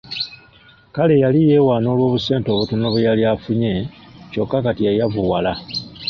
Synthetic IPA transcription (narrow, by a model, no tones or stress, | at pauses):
kale̞jalije̞ːwaːno̞ːlwo̞ːβuse̞ːnto̞ːβutunoβejaliafuɲe̞co̞kːakatijajaβuwala